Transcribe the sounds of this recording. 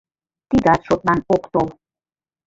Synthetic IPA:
t̪iɡ̪at̪ʃot̪̚ʼlanokt̪ol

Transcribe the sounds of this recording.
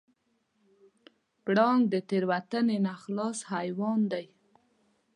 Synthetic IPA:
kɽɑŋɡd̪ət̪eɾwat̪ənenaxlɑshajwɑnd̪aj

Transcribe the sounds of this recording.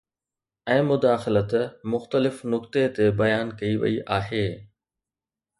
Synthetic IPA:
ɛ̃ːmʊd̪aːxɪlət̪mʊxt̪əlɪfnʊkt̪et̪ebɐjaːnkɐiʋɐ̰iʔaːɦeː

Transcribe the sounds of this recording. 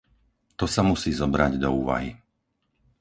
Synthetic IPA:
t̪ɔsamusiːzɔbɾaɟd̪ɔuːʋa̰ɦi

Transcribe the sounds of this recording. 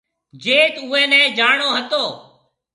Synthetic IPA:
d͡ʒeːt̪ʊːɛ̃ːnɛ̃ːd͡ʒaːɳoːɦət̪oː

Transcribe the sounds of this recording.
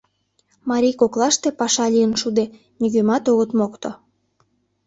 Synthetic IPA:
mɑɾʲikoklɑʃt̪epɑʃɑlʲijənʃud̪e | nyɣømɑt̪oɣət̪mokt̪o

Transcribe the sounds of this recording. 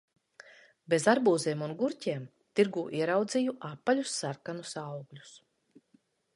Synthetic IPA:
bezaɾbuːziɛmunɡuɾcʲiɛm | t̪iɾɡuːʔiɛɾawd̪zijuʔapːaʎʲusːaɾkanusawɡlʲu̥s

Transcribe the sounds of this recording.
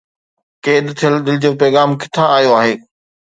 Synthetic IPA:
keːd̪t̪ʰijəld̪ɪlɪd͡ʑoːpɛːɣaːmkɪ̥t̪ʰaaːjoaːɦeː

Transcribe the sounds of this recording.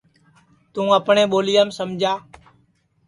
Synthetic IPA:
t̪ũːəpɳẽːɓoːlɪjaːmsəmd͡ʒʱaː

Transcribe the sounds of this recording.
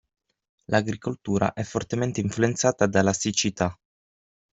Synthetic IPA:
laɡɾikolt̪uːɾa̰ʔɛfːort̪ement̪eiɱfluent̪saːt̪ad̪alasit͡ʃit̪a

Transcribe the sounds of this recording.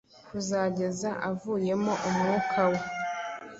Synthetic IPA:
kuzaːɟe̞zaʔavuːje̞mo̞ʔumŋuːkʰawe̞

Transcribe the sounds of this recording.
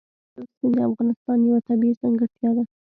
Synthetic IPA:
asked̪əafɣɑnɪst̪ɑnjawat̪abizaŋɡət̪jɑd̪a

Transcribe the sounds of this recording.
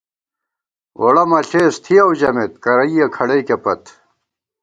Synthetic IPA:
woɽɐmɐɬeːst̪ʰiɐwd͡ʑɐmet̪̚kɐɾɐiɐkʰɐɽeikepɐt̪

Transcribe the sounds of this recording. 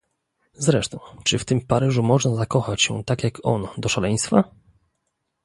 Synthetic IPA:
zɾɛʂt̪ɔ̃w̃t͡ʂɘft̪ɘmpaɾɘʐumɔʐnazakɔxat͡ɕɕɛ̰t̪akʲjakɔ̰nd̪ɔʂalɛj̃st̪fa

